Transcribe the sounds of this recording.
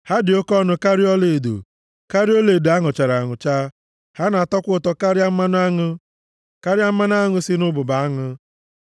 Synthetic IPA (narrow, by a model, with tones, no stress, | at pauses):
ha˦dɪ˨o˦kɔ˦nʊ˦ka˦ɾi˦ɔ˦le˨do̰˨ | ka˦ɾi˦ɔ˦le˨da˦ŋʊ˨t͡ʃa˨ɾa˨ŋʊ˨t͡ʃa˦ | ha˦na˨a˨tɔ˦kʷʊ˦ʊ˦˨tɔ˦ka˦ɾja˦m̩˦ma˦n˦a˦ŋʊ˦ | ka˦ɾja˦m̩˦ma˦n˦a˦ŋʊ˦sɪ˦nʊ˦bʊ˨ba˨a˦ŋʊ˦